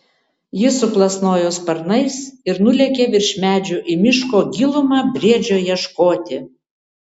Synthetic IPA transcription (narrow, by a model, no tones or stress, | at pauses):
jɪsʊplˠɐsnoːjoːspɐɾnɐɪsɪɾnʊlʲɛkʲeːʋʲɪɾʲʃʲmʲæːd͡ʒʲuʔimʲɪʃkoːɡʲɪlˠʊmɑːbʲɾʲiɛd͡ʒʲoːjɛʃkoːt̪ʲɪ